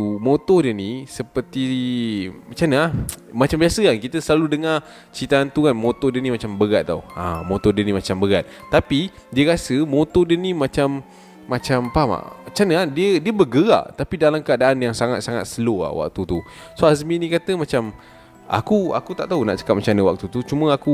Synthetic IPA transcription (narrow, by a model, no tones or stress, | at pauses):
umot̪ɔdiənisəpərt̪i | mat͡ʃanəahmat͡ʃambiasəkankit̪əsəlaludəŋa | t͡ʃit̪aːnt̪ukanmot̪ɔdənĩmat͡ʃambəɡat̪̚ːa̰uã̰mot̪ɔdənĩmat͡ʃambəɡat̪̚ːapi | diəɾasəmot̪ɔdənimat͡ʃamː | at͡ʃampama̰t͡ʃanəahdiədiəbəɡəa̰ʔt̪apidalamkəadaʔanjaŋsaŋat̪̚saŋat̪̚səloa̰hwa̰k̚t̪ut̪u | soazminĩkat̪əmat͡ʃam | ʔa̰kua̰kut̪aʔt̪auna̰ʔt͡ʃə̥kap̚mat͡ʃanəwak̚t̪ut̪ut͡ʃumə̃aku